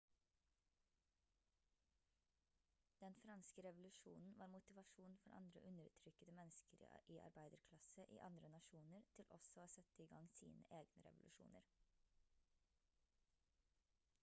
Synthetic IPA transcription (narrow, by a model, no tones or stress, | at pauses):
d̪̥ɛnfɾɑnskəɾɛʋʊlʉʃṵːnn̩ʋɑːɾmʊt̪ɪʋɑʃuːnfɔɾʔɑ̰nd̪ɾə̰ʔʉnəɾt̪ʰɾʏkəd̪əmɛnskəɾʔiːʔɑ̰ɾbæɪd̪əɾkʰlɑsəʔḭːʔɑnd̪ɾənɑʃuːnəɾt̪ʰɪlʔɔsɔoːsɛt̪əiːɡɑŋsḭːnə̰ʔeːɡnəɾɛ̰ʋʊlʔʉʃṵːnəɾ